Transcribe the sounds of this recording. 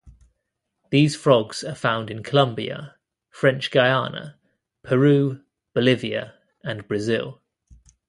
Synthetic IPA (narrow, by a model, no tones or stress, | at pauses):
ðiːz̥fɹɒɡz̥əfãʊ̃ndɪ̃nkʰəlʌ̃mbiə̰ | fɹɛ̃nt͡ʃɡ̥aɪɑːnə̰ | pʰəɹʉː | b̥əlɪviə̰ | ə̃nbɹəzɪ̰lˠ